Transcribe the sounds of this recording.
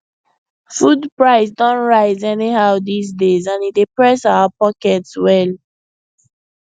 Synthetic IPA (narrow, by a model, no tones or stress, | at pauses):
fudpɹaɪsdɔ̃nɹaɪzɛnihaʊdisdezãnidepɹɛsaʊapɔkɛtswɛl